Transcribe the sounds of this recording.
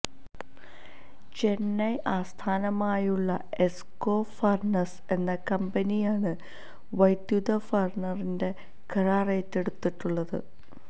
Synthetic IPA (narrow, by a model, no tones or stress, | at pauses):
t͡ɕe̞nːɐjʔaːst̪ʰaːnɐmaːjuɭːɐe̞sko̞ːfɐrnɐs | e̞nːɐkɐmbɐnijaːɳɨ | ʋɐjd̪jud̪ɐfɐrɳɐrinde̞ | kʰɐraːrejtːe̞ɽut̪ːiʈːuɭːɐðɨ̰